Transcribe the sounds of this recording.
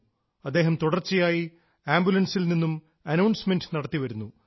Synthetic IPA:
ɐd̪ːe̞ːɦɐmt̪uɽɐrt͡ɕːijaːji | aːmbjulɐnsilninːum | ɐnɐwɳsmendɨnɐɽɐt̪ːiʋɐɾunːu

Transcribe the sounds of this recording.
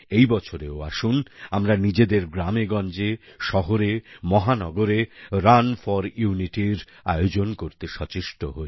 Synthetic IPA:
ejbɔt͡ɕʰoɾeoaʃunamɾanid͡ʑed̪eɾɡɾameɡɔnd͡ʑeʃɔɦoɾemɔɦanɔɡoɾeɾanfɔɾjuniʈiɾ | a̰jod͡ʑonkoɾt̪eʃɔt͡ɕiʃʈoɦoe

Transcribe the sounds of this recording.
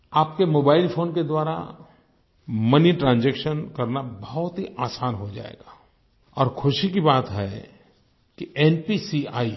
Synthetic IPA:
aːp̚kemoːbaːɪlfʰoːnked̪waːɾa̰ | məniʈɾãːnd͡ʒeːkʃənkɐɾnabɐɦʊt̪ɦiʔaːsaːnɦod͡ʒa̰ːḛːɡaː | ɔːɾkʰʊʃikibaːt̪ɦɛ | kiɛːnpisia̰ːi

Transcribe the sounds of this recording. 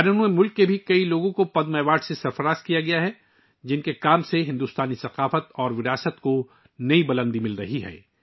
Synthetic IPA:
ɾənuemʊlkːebʱikɐiloːɡõkopɐd̪mɛːʋaːɖsesɐɾfɐɾaːzkijaɡɐjaɦɛ | d͡ʒɪnkekaːmseɦɪ̃nd̪uːst̪aːnisɐqaːfət̪ɔːɾʋɪɾaːsət̪ko | nɐibɐlə̃nd̪imɪlɾɐ̰ɦiɦɛ̰ː

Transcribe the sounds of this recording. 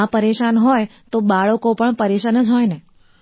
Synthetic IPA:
apəɾeʃanɦɔjt̪obaɭokopəɳpəɾeʃanəd͡ʒɦɔjne

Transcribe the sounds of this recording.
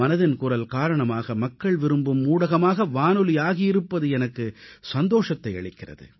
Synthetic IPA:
ɐnɐðɪnkʊrɐlkaːɾɐɳɐmaːɣɐmɐkːɐɭʋɪɾɯmbɯmːuːɽɐɣɐmaːɣɐʋaːnɯlɪjaːɣijɪɾɯpːɐðɯɛnɐkːɯsɐnd̪oːʂɐt̪ːɐɪɐ̰ɭɪkːɪrɐ̰ðɯ̰

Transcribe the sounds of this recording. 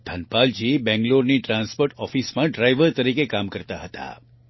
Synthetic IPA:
d̪ʱɐnpaːld͡ʒiːbɛ̃ŋɡloːɾniʈɾãːnspoːɾʈɔːfiːsmãɖɾaːɪʋəɾt̪ɐɾiːkekaːmkɐɾt̪aɦɐt̪a̰

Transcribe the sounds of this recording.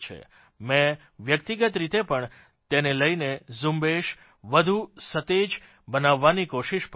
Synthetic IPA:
t͡ʃʰḛ | mɛ̃ | ʋjəkt̪iɡət̪ɾit̪epəɳ | t̪eneləjnezumbeʃ | ʋəd̪ʱusət̪ed͡ʒ | bənaʋːanikoʃiʃp

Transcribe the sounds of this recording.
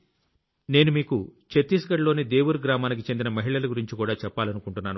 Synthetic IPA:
ne̞ːnumiːkut͡ʃet̪ːiːs̬ɐkɐɽlo̞ːniːd̪e̞ːwuɾuɡɾaːmaːnik̬it͡ʃe̞nd̪inɐmɐɦiɭɐlɐɡuɾiɲt͡ʃikuːɽaːt͡ʃɛpːaːlɐnukuɳʈunːaːnu

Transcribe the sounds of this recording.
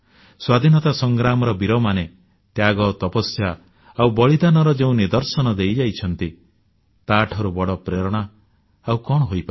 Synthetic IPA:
swad̪ʱinɔt̪asɔŋɡɾamɔɾɔbiɾɔmane | t̪jaɡɔt̪ɔpɔsja | awbɔɭid̪anɔɾɔd͡ʒeũnid̪ɔɾsɔnɔd̪ejd͡ʒajt͡ʃʰɔnt̪i | t̪aʈʰɔɾubɔɽɔpɾeɾɔɽ̃a | awkɔɽɔɦojpa

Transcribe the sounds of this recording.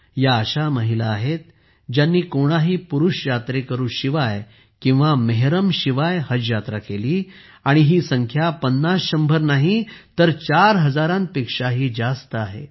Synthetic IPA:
jaːɕaməɦilaːɦet̪̚ | d͡ʑjanːiːkoɽ̃aɦiːpuɾuɕjat̪ɾekəɾuːɕiʋaj | kĩw̃ʋameɦɾəmɕiʋajhəd͡ʑjat̪ɾəkeliː | aɽ̃iɦiːsəŋkʰjapənːasɕəmbʱəɾnaɦit̪əɾt͡ɕaɾɦəd͡zaɾãn̚pekʂaɦiːd͡zast̪əaɦe

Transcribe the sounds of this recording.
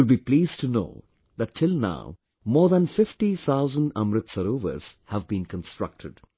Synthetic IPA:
ɪlbiːpliːzʈʰuno̰ː | ðæʈːʰɪlna̰ʊ | mɔːɾðæ̃nfɪfʈiθʰaʊzə̃nɖʌ̃mɾɪt̪səɾoːʋə̰ɾz̥hævbĩːnkə̃nsʈɹ̥ʌ̰k̚ʈʰɪɖ

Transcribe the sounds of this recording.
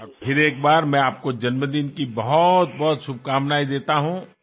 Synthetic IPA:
pʰɪɾeːk̚baːɾmɛ̃aːp̚kod͡ʒɐnməd̪iːnkibɐɦʊt̪̚bɔɦʊt̪ʃʊb̚ʱkaːmnaːid̪eːt̪aɦũː

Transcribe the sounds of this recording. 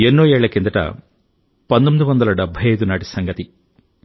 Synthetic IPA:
enːoːɛːɭːɐkend̪ɐʈɐ̰ | pɐnt̪omid̪iʋɐnd̪ɐlɐɖɛbʱːɐjɐjd̪unaːʈisɐŋɡɐt̪i

